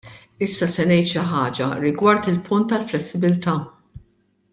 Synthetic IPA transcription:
ɪsːɐsɛnɛjt̪ʃɪħɐːd͡ʒɐ̰ɾɪɡwɐɾt̪ɪlpʰʊnt̪ːɐlflɛsːɪbɪlt̪ɐː

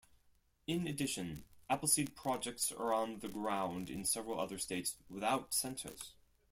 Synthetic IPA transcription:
ɪ̃nɨdɪʃɨ̃næpl̩ˠsid̚pʰɹ̥ɑd͡ʒɛk̚tsə̰˞ə̃nðɨɡɹãʊ̃ndɨ̰̃nsɛvɹl̩ˠʌ̰ðə˞steɪtswəθaʊtsɛ̃ntʰə̰z̥

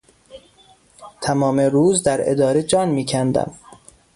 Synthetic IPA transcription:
t̪ʰæmɒːmeɾuːzd̪æɾḛd̪ɒːɾed͡ʒɒːnmiːcʰænd̪æ̰m

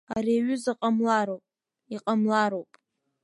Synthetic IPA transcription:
ariːɥʏzaqʼamlaɾowpʼ | iqʼamlaɾowpʼ

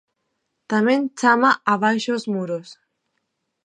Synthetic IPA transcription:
t̪amẽnt͡ʃamaʔaβ̞ajʃozmuɾos

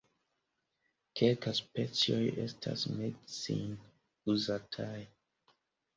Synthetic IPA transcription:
kʰelkaspet͡sioje̞̰stʰa̰smedsḭn | uzatʰaj

